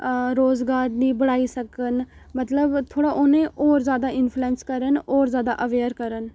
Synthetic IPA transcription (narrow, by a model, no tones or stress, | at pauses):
ɾoːzɡaːɾnĩːbəɽaːiːsəkən | mət̪ləbt̪ʰoːɽaːʔonẽːʔɔːɾzjaːd̪aːɪnpʰluɛ̃ːnskəɾənɔːɾzjaːd̪a̰ːʔəʋeːəɾkəɾən